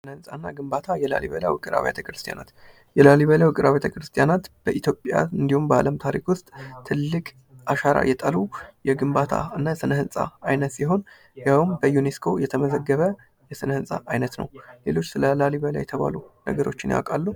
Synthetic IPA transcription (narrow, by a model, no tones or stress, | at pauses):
sɨnəhɨnsʼanːaɡɨmbat̪ʰajɛla̰liβələ̰wɨkʼɨɾa̰βja̰t̪ʰəkɾɨst̪ʰʼija̰na̰t̪ | jɛlaliβələwɨkʼɨɾaβjat̪ʰəkɾɨst̪ʼijanat̪b̥əʔit̪ʰjo̞pʼja̰ɨnd̪ihumbəa̰ləmt̪ʰaɾikwʊst̪ʼt̪ʰːɨlːɨkʼ | ʔaʃaɾa̰jɛt̪ʼəlujɛɡɨmbat̪ʰa̰ɨnːasɨnəhɨnsʼa̰ajnət̪siɦo̞n | jawmbəjune̞skʰo̞jɛt̪ʰəməzəɡːəβə | jɛsɨnəhɨnsʼaʔajnət̪nə̰wle̞lo̞t͡ʃːsɨləlaliβəla̰jɛt̪ʰəβa̰lunə̰ɡəɾo̞t͡ʃːɪnja̰kʼalːu